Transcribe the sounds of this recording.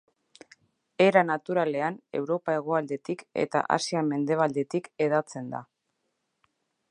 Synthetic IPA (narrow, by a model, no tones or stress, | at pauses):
e̞ɾanat̪uɾale̞ane̞̰wɾo̞pae̞ɣ̞o̞ald̪e̞t̪ike̞̰t̪a̰ʔa̰siame̞nd̪e̞β̞ald̪e̞t̪ike̞ðat͡se̞nd̪a̰